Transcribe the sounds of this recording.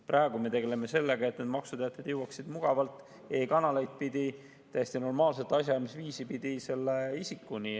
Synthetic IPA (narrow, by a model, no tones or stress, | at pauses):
prʔɑeɡ̥ume̞t̪e̞ɡe̞leme̞se̞lːe̞ɡ̥ɑe̞t̪̚ːned̪mɑksud̪eɑt̪ˑed̪̥jewɑksid̪̥muɡ̥ɑvɑlt̪ːˑ | e̞ːkɑnɑlejt̪̚pid̪̥i | t̪æjesʲt̪ino̞rmɑːlset̪ːˑɑsʲjɑɑrmesviːsipid̪̥ise̞lːeisikːuni